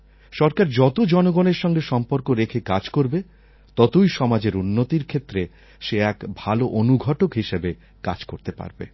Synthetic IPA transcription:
ʃɔɾkaɾd͡ʑɔt̪od͡ʑɔnoɡoneɾʃɔŋɡeʃɔmpoɾkoɾekʰekad͡ʑkoɾbe | t̪ɔt̪ojʃɔmad͡ʑeɾunːot̪iɾkʰet̪ːɾe | ʃeɛkbʱaloʔonuɡʱɔʈokɦiʃebe | ka̰d͡ʑkoɾt̪epa̰ɾbḛ

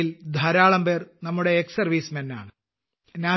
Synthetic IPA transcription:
ild̪ʱɐɾaːɭɐmbe̞ːrnɐmːuɽe̞ːksɐrʋiːsmɐnːa̰ːɳɨ | naː

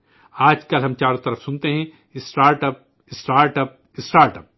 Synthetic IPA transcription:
aːd͡ʒkɐlɦɐ̃mt͡ʃaːɾõt̪ɐɾəfsʊnt̪eɦɛ̃ | ɪsʈaːɾʈɐp̚ | ɪsʈaːɾʈɐp̚ | ɪsʈaːɾʈɐp̚

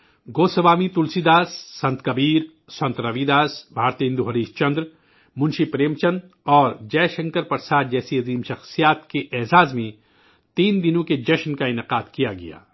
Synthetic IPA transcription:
ɡoːsɐʋaːmit̪ʊlsid̪aːsːɐ̃nt̪kɐbiːɾ | sɐ̃nt̪ɾɐʋid̪aːsbʱaːɾt̪iɦɪ̃nd̪uɦɐɾiːʃt͡ʃɐ̃nd̪ɾ | mʊ̃nʃipɾeːmt͡ʃən | ɔːɾd͡ʒɛːʃɐ̃ŋkəɾpɐɾsaːt̪ʰd͡ʒɛːsiɐziːmʃɐxsijaːt̪keʔɛːzaːzmẽ | t̪iːnd̪ɪnõked͡ʒɐʃnkaɪnɪqaːd̪kijaɡɐ̰ja̰ː

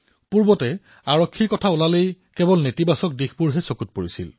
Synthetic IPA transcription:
puɹbɔtɛ | aɹɔkʰːikɔtʰaulalejkɛbɔlnetibasɔk̚dixpuɹɦɛsokut̚poɹisḭl

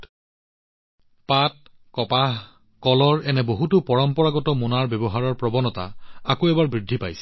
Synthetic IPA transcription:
pat̚ | kɔpaɦ | kɔlɔɹɛnɛboɦutʊpɔɹɔmpɔɹaɡɔtɔmunaɹbɛbɔɦaɹɔɹpɹɔbɔnɔta̰akoɛbaɹbɹidʱːipajsɛ̥

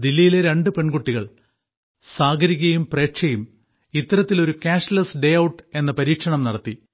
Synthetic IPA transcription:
d̪ilːijileɾe̞ɳɖɨpe̞ɳɡuʈːiɣɐɭ | saːɡʱɐɾikʲːɐjumpre̞ːkʂɐjum | it̪ːɐɾɐt̪ːiloɾukaːʂlɐsɖe̞jɐwʈːe̞nːɐpɐɾiːkʂɐɳɐmnɐɽɐt̪ːi

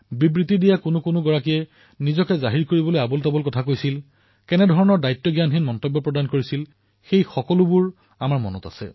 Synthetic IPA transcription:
bibɹitidijakʊnʊkʊnʊɡɔɹakijɛ | nizɔkɛzaɦiɹkoɹibɔlojabɔltabɔlkɔtʰakojsil | kɛnɛdʱɔɹɔnɔɹdajtːɔɡjanɦinmɔntɔbːɔpɹɔdankoɹisil | xejxɔkɔlʊbuɹ | amaɹmɔ̰nɔta̰sɛ̰

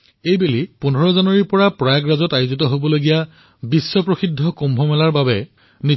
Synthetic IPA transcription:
ejbelipun̤ʱɔɹɔzanwaɹiɹpɔɹapɹajaɡɹazɔtajuzitɔɦobɔloɡija | bisːɔpɹoxidʱːɔkombʱɔmɛlaɹbabɛ | ni

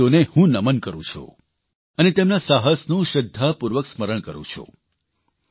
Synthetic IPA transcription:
onehũnəmənkəɾṵ̃t͡ʃʰṵ | ənet̪emnasaɦəsnũʃəd̪ʱːapuɾʋəksməɾəɳ̃kəɾṵ̃t͡ʃʰṵ

